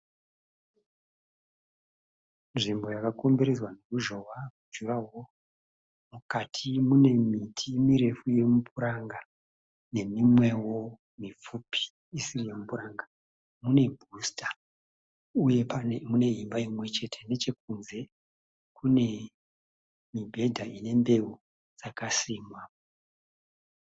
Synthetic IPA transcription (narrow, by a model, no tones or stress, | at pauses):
nʐimbo̞jakakombiɾezwanokuʒo̞wakud͡ʒuɾawo̞ | mukatʰimune̞mitʰimiɾe̞fuje̞mupʰuɾaŋɡa | ne̞mimwewo | mip͡fupʰi̥ː | sirije̞mupuɾaŋɡa | mune̞bʱustḁ | uje̞pamune̞ɦimbaimwe̞t͡ʃe̞tʰe̞ne̞t͡ʃe̞k̚unze̞ | kune̞ | mibʱe̞dʱaine̞mbe̞u | d͡zakasiːmwa